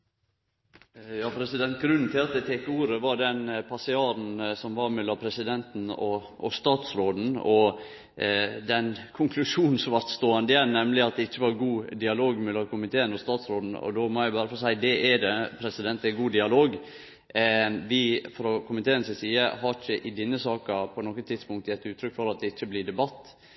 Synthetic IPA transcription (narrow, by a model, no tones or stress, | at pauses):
jɑːpʰɾɛsɪd̪ɛnt̪ɡɾʉnn̩t̪ʰɪlɑt̪̚d̪ɛt̪ʰeːkuːɾəʋɑɖɛnpʰɑsɪɑːɾn̩sɔmʋɑɾmɛlːɑmpʰɾɛsɪd̪ɛnt̪nɔ | ʔɔst̪ɑːt̪sɾoːd̪n̩ɔ | d̪ɛnkʰʊŋkʰlʉʂuːnn̩sʋɑɾt̪st̪oːɑnd̪əjænnɛmlɪɑt̪̚d̪ɛɪçːəʋɑɾɡuːd̪ɪɑloːɡmɛlːɑkʊmɪt̪ʰeːənɔst̪ɑːt̪sɾoːd̪n̩ɔ̰d̪omɔæɪbɑːɾəfɔsæɪd̪ɛʔɛd̪ɛpʰɾɛsɪd̪ɛnt̪ɛɡuːd̪ɪɑloːɡ | ʋɪfɔɾɔkʰʊmɪt̪ʰeːənsɛsiːəhɑɾɪçəʔɪd̪ɪnːəsɑːkɑpʰɔnɔkːət̪ʰɪd̪spʊŋkt̪əjɛt̪ːʉːt̪ʰɾʏkːfɔɾɑt̪̚d̪ɛɪt͡ʃːəblɪd̪ɛbɑt̪ː